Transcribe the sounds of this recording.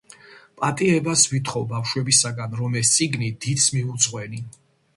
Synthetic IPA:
pʼat̪ʼiɛbasvit̪ʰχɔvbafʃwɛbisaɡanɾɔmɛst̪sʼiɡnid̪it̪smiud̪zʼʁwɛni

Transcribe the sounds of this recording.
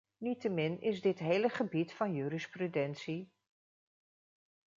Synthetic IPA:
nitəmɪnɪzdɪtɦejləχəbitfɑnjyːɾɪsprydɛnsi

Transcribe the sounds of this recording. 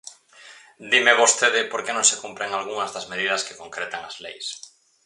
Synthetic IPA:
d̪imeβost̪eðɪpoɾkenõŋsekumpɾeŋalɣuŋɐzðazmeð̞iðɐske̥koŋkɾet̪aŋazlḛjs

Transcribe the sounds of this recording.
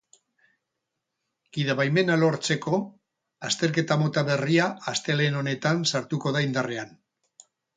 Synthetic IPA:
ɡ̥iðaβajme̞nalo̞ɾt͡se̞ko̞ | ast̪e̞ɾke̞t̪amo̞t̪aβe̞riaːst̪e̞le̞no̞ne̞t̪ansaɾt̪uko̞ðaind̪are̞an

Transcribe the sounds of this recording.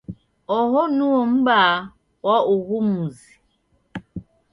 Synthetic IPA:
ɔɦɔnuom̩ba | wɔuɣumuzi

